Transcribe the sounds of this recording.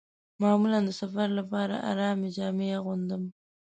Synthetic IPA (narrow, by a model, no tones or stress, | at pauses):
mɑmuland̪əsafaɾlapɑɾa̰ʔa̰ɾɑmɪd͡ʒɑmeɣund̪əm